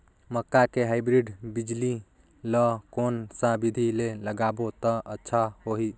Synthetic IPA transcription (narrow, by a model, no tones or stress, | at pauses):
məkːakeɦaɪbɾiɖbid͡ʒli | lɔkonsabid̪ʱileləɡabot̪əʔətːʃʰahoɦi